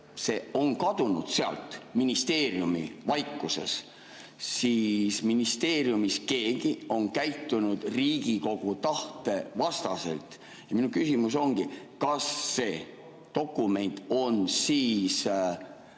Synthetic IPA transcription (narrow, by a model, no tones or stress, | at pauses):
se̞ːo̞nkɑd̪̥unṵd̪̥seɑ̰lt̪ˑminist̪e̞ːrjumḭvɑjkːuse̞̰s | sisminist̪e̞ːɾjumiske̞ːɡ̥io̞nkæjt̪ˑːunud̪̥riːɡiko̞ɡ̥ut̪ɑht̪e̞vɑst̪ɑse̞̰lt̪ | jɑminukysimus̬o̞ŋɡ̥i | kɑsːe̞ː | t̪o̞kːˑume̞nt̪ːˑo̞nsiːs